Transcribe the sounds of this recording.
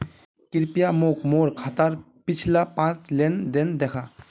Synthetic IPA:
kɪɾpijamokmoɾkʰat̪əɾ | pɪt͡ʃʰlapãːt͡ʃlend̪ɪnd̪ekʰa

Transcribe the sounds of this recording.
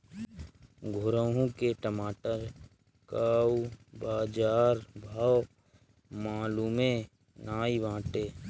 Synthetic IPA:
ɡʱʊɾəɦũkeʈəmaːʈəɾ | kaːubaːd͡ʒaːɾbʱaːw | maːluːmẽ | naːiʋãːʈeː

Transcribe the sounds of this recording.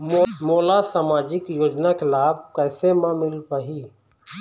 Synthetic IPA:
moːlasaːmaːd͡ʒɪkjoːd͡ʒnakɪlaːb̚kɛːsemãmɪlpaɦiː

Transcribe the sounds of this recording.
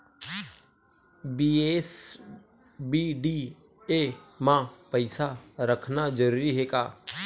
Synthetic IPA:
biːeːs | biːɖiː | eːmãːpəɪsaɾəkʰnad͡ʒəɾuːɾiɦeːka̰ː

